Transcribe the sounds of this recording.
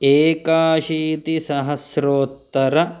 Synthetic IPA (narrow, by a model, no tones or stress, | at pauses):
eːkaːʃiːt̪isɐɦɐsɾoːt̪ːɐɾɐ